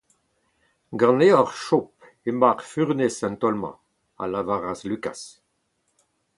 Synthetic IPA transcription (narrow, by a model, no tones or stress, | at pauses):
ɡɑ̃neɔʁʃɔp̚ | emaʁfyʁnesɛ̃nt̪ɔlmɑ̰̃ | a̰lavaʁaslyka̰s